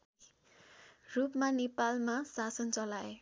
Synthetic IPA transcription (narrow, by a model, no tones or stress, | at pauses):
rupmanepalmasasʌnt͡sʌlae